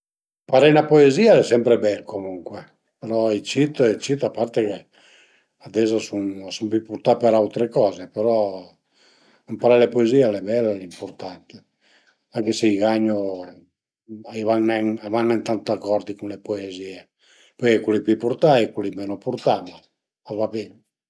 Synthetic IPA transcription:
paɾenapoeziːaɛsɛmpɾebɛlkomuŋkwe | peɾɔit͡ʃit̪et͡ʃit̪apːart̪eke | ad̪ɛzasunsumpipuɾt̪apeɾawt̪ɾekɔːzepeɾɔ | ampaɾɛlepoeziːeɛlɛbɛlːaɛlimpoɾt̪ant̪e | aŋkeseiɡaɲːo | ivaŋnɛŋavanːɛnt̪ant̪akːɔɾd̪ikunlepoeziːe | pɔjkekwulipipuɾt̪aikwulimeːnopuɾt̪ama | avaben

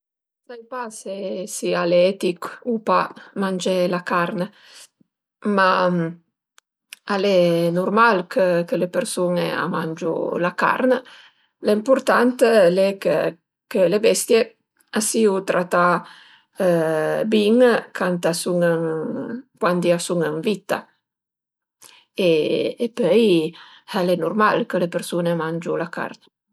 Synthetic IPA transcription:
sajpasesialeɛt̪ikupamand͡ʒelakaɾnə | ma | alenurmalkʰəkəlepeɾsunḛa̰mand͡ʒṵlaka̰ɾnə | laimpuɾt̪ant̪lɛkə̰ | kəlebɛst̪je | asiut̪ɾʔat̪a | biŋkʰant̪asuŋəŋ | kwand̪iasuŋəŋvit̪a̰ | eːpœj | alɛnurmalkəlepeɾsunemand͡ʒulaka̰rn

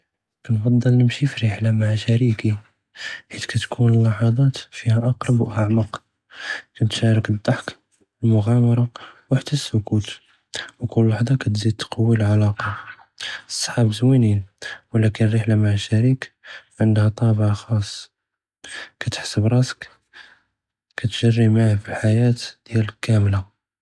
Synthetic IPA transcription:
kænfɑd̪ˤːəlnəmʃifiɾəħlamaʕʃæɾiki | ħit̪kæt̪kʰunəlːɑħɑd̪ˤɑt̪fihæʔɑqɾˤɑbwʔaʕmɑq | kænt̪ʃæɾəkəd̪ːɑħk | əlmʊɣæmɑɾˤɑwaħt̪əsːʊkut̪ | wkʊlːwaħd̪ˤɑkæt̪zid̪̚t̪qɑwːilʕalɑqɑ | sˤːħɑbzwininwlækənərːəħlamaʕʃæɾikʕənd̪hæt̪ˤɑbʕxɑsˤː | kæt̪ə̥ħsəbɾˤɑsə̥k | kæt̪ʒərːimaʕhfilħajæt̪d̪̥jælkæmla

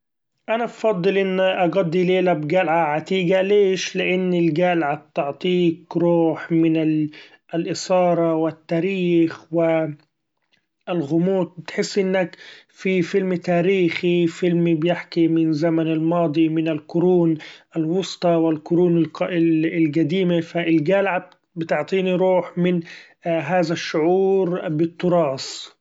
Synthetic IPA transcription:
ʔanabfɑd̪ˤːɨlʔɪnːʔɑɡad̪ˤːileːlabɡalʕaʕat̪iːɡaleːʃlɪʔɪnːɪlɡalʕab̚t̪ɪʕt̪ˤiːkɾuːħmɪnɪ | ʔlʔɪsɑːɾˤɑwɪt̪ːaːɾiːxwɪ | ɪlɣʊmuːt̪̚bɪt̪ħɪsːʔɪnːak | fifɪlmt̪aːɾiːxifɪlmibjɪħkimɪnzamanɪlmɑːd̪ˤimɪnɪlkʊɾuːnʔalwʊst̪ˤɑwɪlkʊɾuːnɪlɪɪlɡad̪iːmafaʔɪlɡalʕab̚ | bɪt̪ʊʕt̪ˤiːniɾuːħmɪn | ɦaːðaʃːʊʕuːɾbɪt̪ːʊɾˤɑːs

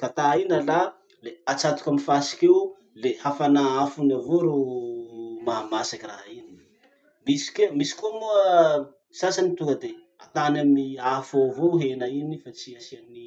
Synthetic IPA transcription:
kat̪ainəla | leat͡sat̪u̥kamifasi̥keu | lehafanaafunavoɾo | maɦamasakiraɦaini | misi̥kemisi̥kumuə | sasanit̪uŋɡəd̪e | a̰t̪anamniafovoɦenainifat͡siasianni

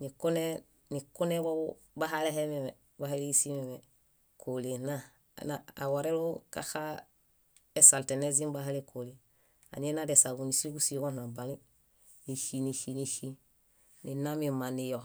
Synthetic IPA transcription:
nikune | nikunebou | baɦalehememe | baɦaleɡisimeme | kʰolena | na̰waɾelokaxa | esaltenez̬imbaɦalekʰole | a̰ɲenadesaɡunisiɡusiɡonabani | niʃiniʃiniʃi | ninamimanijo

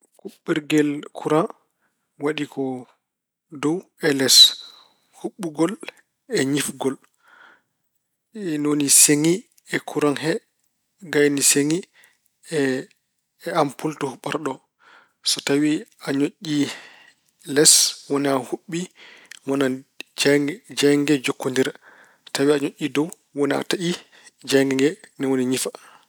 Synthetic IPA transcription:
kuɓːiɾɡɛlkʰuɾa | waɗikɔ | dɔwɛlɛs | huɓːuɡɔl | ɛɲifɡɔl | noniseŋi | ɛkʰuɾanhɛ | ɡajniseŋi | ampultuhuɓaɾɗɔ | sɔtawiaɲoʔːi | lɛswɔnɛahuɓːimɔna | d͡ʒaŋɡɛd͡ʒokːondiɾa | tawiaɲoʔʲːidɔw | wɔnɛa̰taʔi | d͡ʒaŋɡɛŋɡɛnɛwoniɲifa

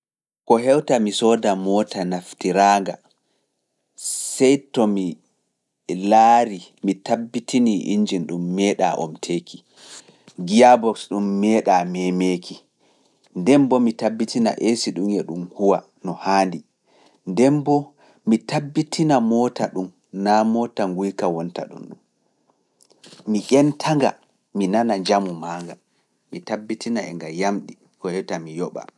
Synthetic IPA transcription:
kɔɦɛwtamisɔːdamɔtʰanaftiɾaːŋɡa | sɛjtɔmi | laːɾimitabːitʰiniʔḭɲd͡ʒinɗumːɛːɗa̰ʔɔ̰mtʰeːki | ɡijabɔksɗumːɛːɗamɛmeːkʰi | ndɛmbɔmitabːitina̰ʔesiɗumɛɗumhuwa | nɔhaːndi | ndɛmbɔ | mitabːitʰinamɔtaɗum | namɔtaŋɡujkawɔnta̰ɗṵmɗum | miʔʲɛntʰaŋɡa̰ | minanad͡ʒamumaːŋɡa | mitabːitʰinaɛ̰ŋɡajamɗi | kɔhɛwtamijɔɓa̰

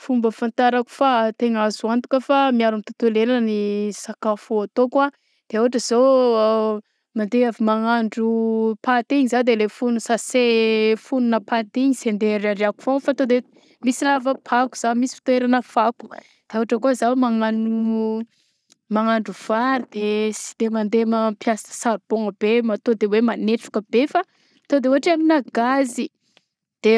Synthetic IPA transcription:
fumbəfant̪aɾaku̥fat̪eŋazuant̪u̥kəfamiaɾamit̪ut̪ulelanənisakafoat̪okwa | d̪̥eoaʈ͡ʂəz̥o | mand̪eavimaŋaɳɖ͡ʐupat̪iɲizad̪elefunusasefununəpat̪iɲisend̪eɾaɾiaku̥fofat̪od̪e | misilavəpʰaku̥z̥amisifi̥t̪oeɾanəfaku̥ | d̪̥euaʈ͡ʂəkozawmaŋanu | maŋaɳɖ͡ʐuv̥aɾid̪̥esi̥d̪̥emand̪emapjasə̥saɾub̥oŋəb̥emat̪od̪ewemaneʈ͡ʂu̥kəb̥efa | t̪od̪eoaʈ͡ʂaminaɡazi | d̪̥e

